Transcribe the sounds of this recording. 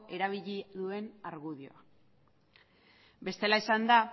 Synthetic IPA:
e̞ɾaβ̞iʎiðue̞naɾɣuðio̞̰a | be̞st̪e̞laisand̪a

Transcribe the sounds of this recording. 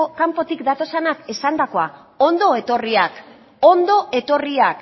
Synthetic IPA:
kampo̞t̪ikd̪at̪o̞senakesand̪ako̞a | o̞nd̪o̞e̞t̪o̞riak | ond̪o̞ʔe̞t̪o̞riak

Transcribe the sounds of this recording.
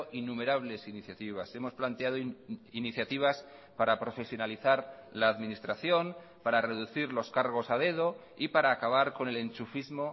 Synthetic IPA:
ʔinume̞ɾaβ̞le̞siniθjat̪iβ̞ase̞mo̞splant̪eaðoiniθjat̪iβ̞aspaɾapɾo̞fe̞sjo̞naliθaɾlaːðmĩnist̪ɾaθjo̞n | paɾare̞ðuθiɾlo̞skaɾɣ̞o̞saðe̞ð̞o | ipaɾaːkaβ̞aɾko̞ne̞le̞nt͡ʃufizmo̞

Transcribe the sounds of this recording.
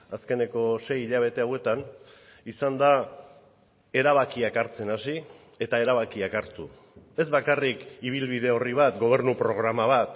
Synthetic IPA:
aske̞ne̞ko̞se̞jiʎaβ̞e̞t̪e̞awe̞t̪anisand̪a | e̞ɾaβ̞akiakaɾt͡se̞nasi | e̞t̪ae̞ɾaβ̞akiakaɾt̪u | e̞zβakarikiβ̞ilβið̞e̞o̞riβ̞at̪ɡo̞β̞e̞ɾnupɾo̞ɣ̞ɾamaβat̪

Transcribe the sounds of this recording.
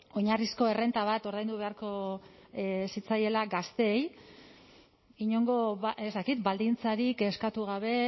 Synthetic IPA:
o̞ɲarisko̞e̞re̞nt̪aβ̞at̪o̞ɾðajnd̪uβe̞aɾko̞ | sit͡saje̞laɡast̪e̞ːj | iɲo̞ŋɡo̞βezt̪akit̪bald̪int͡saɾike̞skat̪uɣaβ̞e̞

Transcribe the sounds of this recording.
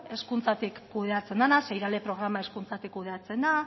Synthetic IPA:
e̞skunt͡sat̪ikːuðe̞at͡se̞nd̪anasajɾale̞pɾo̞ɣ̞ɾamae̞skunt͡sat̪ikːuð̞e̞at͡se̞nd̪a

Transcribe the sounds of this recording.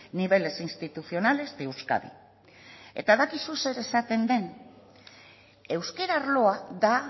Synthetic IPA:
niβ̞e̞le̞sinst̪it̪uθio̞nale̞zd̪iwska̰ðḭ | e̞̰t̪aðakisuse̞ɾe̞sat̪e̞nd̪e̞n | e̞wske̞ɾaɾlo̞aða

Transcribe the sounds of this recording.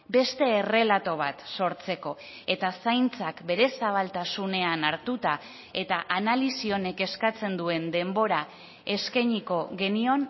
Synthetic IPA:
be̞st̪e̞ːre̞lat̪o̞β̞at̪so̞ɾt͡se̞ko̞ | e̞t̪asajnt͡sakbe̞ɾe̞saβ̞alt̪asune̞anaɾt̪ut̪a | e̞t̪aʔanalisio̞ne̞ke̞skat͡se̞nd̪ue̞nd̪e̞mbo̞ɾa | e̞skajɲiko̞ɣe̞nio̞n

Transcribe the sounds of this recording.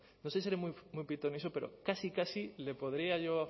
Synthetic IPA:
nosesieɾemujmujpit̪onisope̞ɾo̰kasikasile̞po̞ðɾiaʝo

